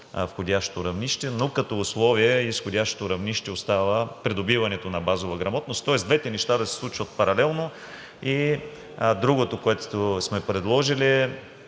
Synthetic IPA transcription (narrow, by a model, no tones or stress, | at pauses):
fxodʲaʃt̪oɾɐvniʃt̪ɛnokɐt̪ɔːslˠɔviɛisxodʲaʃt̪o̥t̪oɾɐvniʃt̪ɛost̪avəpɾid̪obivɐnɛt̪onɐbazovɐɡɾɐmɔt̪nost̪ːɔɛzd̪vɛt̪ɛnɛʃt̪ad̪ɐsɛ̥slˠut͡ʃvɐt̪̚pɐɾɐlɛlˠno | i | d̪ɾuɡot̪okoɛt̪osmɛpɾɛd̪lˠɔʒiliɛ